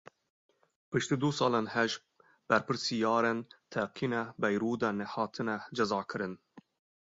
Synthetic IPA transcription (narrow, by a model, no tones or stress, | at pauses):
pʰɨʃt̪ɨd̪usɑːlanhɛʒ | b̥æɾpɨɾsijɑːɾɛnt̪ʰaqʰinabajɾuːd̪anehɑːt̪ʰɨnad͡ʒɐzɑːkʰɨɾɨn